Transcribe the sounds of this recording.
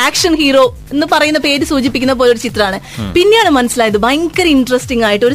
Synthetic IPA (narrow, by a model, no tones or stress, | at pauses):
aːkʂɐnhiːro̞ː | e̞nːɨpɐrɐjunːɐpe̞ːɾɨsuːt͡ɕipːikʲːunːɐpo̞ːlo̞ɾut͡ɕit̪rɐaːɳɨpinːejaːɳɨmɐnɐsilaːjɐðɨbɐjŋkːɐɾiɳɖrɐsʈiŋɡaːjiʈːɨo̞ɾu